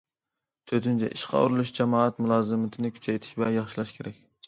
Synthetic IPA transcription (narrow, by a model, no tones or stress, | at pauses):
t̪ʰøt̪ʰynt͡ʃʰɛ̰ʔiʃqʰɑ̰ṵɾɨlˠuʃd͡ʒɛmɑɑt̪mulˠɑːzɨmɨt̪ʰɪnɪkʲʰy̥t͡ʃʰɛjt̪ʰɪ̥ʃblɛnjɑχʃilˠɑʃkʲʰeɾɛkʲ